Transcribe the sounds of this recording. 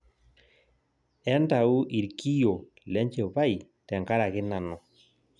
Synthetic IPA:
ɛ˦nda˨u˦ʔi˨ɾkʰi˦jo˨ | lɛ˦ɲt͡ʃe˨βa˦j | tɛ˨ŋɡa˦ɾa˨kɪ˦na˨nɔ˨

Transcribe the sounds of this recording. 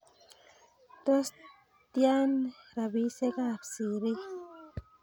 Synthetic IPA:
t̪o˦s | t̪ja˦nɾa˨bi˦se˦ɡa˦ɾsi˨ɾi˦

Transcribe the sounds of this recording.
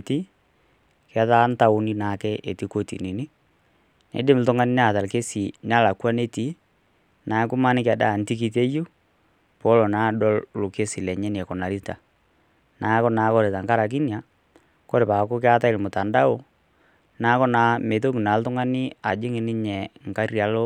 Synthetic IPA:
ti˦ | ka˦ta˦n˦ta˦ʊ˦ni˦na˨˦kɛ˦ʔe˨ti˦ko˦tḭ˨ni˨ni˦ | nḛ˨˦dɪ˦ml̩˦tʊ˦ŋa˦nɪ˦n˦a˨ta˨lke˦si˨n˦a˦la˨kwa˦ne˦ti˦ | na˨˦kʊ˦ma˦nɪ˦ka˨da̰˦˨n˦ti˦k̬i˨˦t̬e˦ju˦ | po˦lo˨na˨˦dɔ˦llʊ˨ke˦si˨lɛ˨ɲɛ˦n˨ɛ˨kɔ˨na˨li˦ta˨ | na˨˦kɔ˦naː˨˦ko˦ɾe˨ta˨ŋka˦ɾa˨k̬i˦nja˨ | ko˦ɾe˨pa˨kʊ˦k̬ɪ˦a˦ta˦ɪ˨lmʊ˨ta˨nda˦o˨ | na˨˦kɔ˦na˨˦me˨t̬o˦ki˨na˨˦ltʊ˦ŋa˦nɪ˦a˨d͡ʒɪ˦ŋɪ˨nɪ˦ɲɛ˨ŋ˨ka˦rja˨lo˦

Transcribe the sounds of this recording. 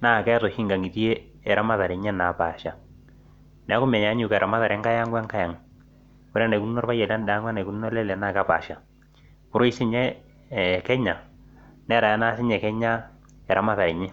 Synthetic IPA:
naː˦˨kɛ˦to˨ʃi˦ŋɡa˨ŋi˨ti˦e˦ | ɛ˨ɾa˦ma˦ða˨ɾɛ˨ɲɛ˦na˨pa˨ʃa˨ | n˨a˦kʊ˦mɛ˨ɲa˨˦ɲu˨kɛ˨ɾʔa˨ma˦ða˨ɾɛ˦ŋka˦ja˦ŋɡwɛ˦ŋka˦ja˨ŋ | ko˨˦ɾɛ˦na˨ku˦nu˦nɔ˦rpa˦jɛ˨la˦ndɛ˨a˦ŋɡwɛ˦na˨i˨ku˦nu˦no˦lɛ˦lɛ˨na˦˨ka˦pa˨ʃa̰˨ | pʊ˦ɾo˦i˦sɪ˦ɲɛ˦˨ | kɛ˦ɲa˨ | nɛ˦ɾa˨ja˦na˦sɪ˦ɲɛ˨kɛ˦ɲa˦ | ɛ˨ɾʔa˨ma˦ða˨ɾɛ˨ɲɛ˦

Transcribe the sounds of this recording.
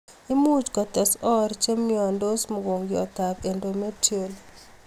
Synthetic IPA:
i˦mu˦t͡ʃkɔ˨tɛ˨sɔ˦ɾt͡ʃe˦mɪ˦ɔ˨ndo˦smo˨ɡo˨ŋɡɪ˨ɔ˨ta˨be˨ndo˨me˦tjo˨l

